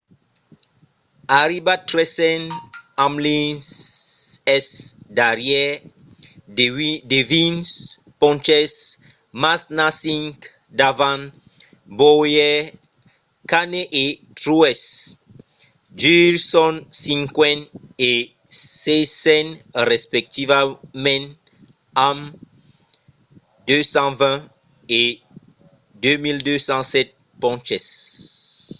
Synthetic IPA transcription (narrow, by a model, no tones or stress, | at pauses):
aɾibat̪ɾɛsɛnamlins | ɛsd̪aɾjɛ | devĩns | pɔ̃nt͡ʃɛs | masnasĩŋk | d̪avãn | bojɛ | kaneʔet̪ɾuɛs | d͡ʒysɔnsĩŋkwɛne | sesɛnɾɛspɛk̚t̪ivamɛ̃n | am | d̪øsɑ̃vɛ̃ | e | d̪ømild̪øsɑ̃sɛt̪̚ | pɔ̃t͡ʃɛs